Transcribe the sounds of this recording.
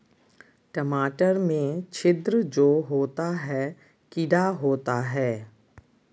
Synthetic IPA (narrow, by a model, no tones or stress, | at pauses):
ʈəmaːʈəɾmẽt͡ʃʰɪd̪ɾd͡ʒoːɦoːt̪aɦɛː | kɪɖaɦoːt̪aɦɛː